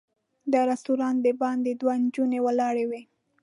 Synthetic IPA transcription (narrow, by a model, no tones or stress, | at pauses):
d̪əɾast̪uɾɑnd̪əbɑnd̪ed̪wand͡ʒunewalɑɽewe